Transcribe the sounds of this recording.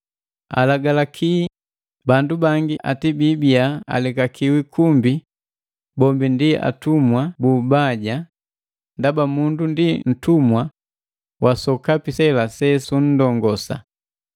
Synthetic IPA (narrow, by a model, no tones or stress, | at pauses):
a̰laɡalakʰi | bandubaŋɡiʔa̰tibibiaa̰lɛkakʰiwikʰumbi | bɔmbindia̰tumwabubaɟa | ndabamundundin̩tumwa | wʔasɔkapisɛlasɛsun̩dɔŋɡɔsa̰